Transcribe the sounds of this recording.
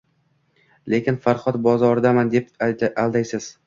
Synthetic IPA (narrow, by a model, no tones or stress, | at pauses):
le̞kʲɪnfaɾχɒt̪bɒzɒɾd̪amand̪e̞palˠd̪ajsɪz̥